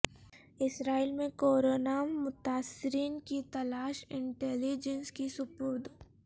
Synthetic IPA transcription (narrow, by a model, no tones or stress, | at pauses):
ɪsɾaːilmẽkoːɾoːnamʊt̪aːsɪɾiːnkit̪ɐlaːʃɪ̃ɳʈɛːlid͡ʒənskisʊpʊɾd̪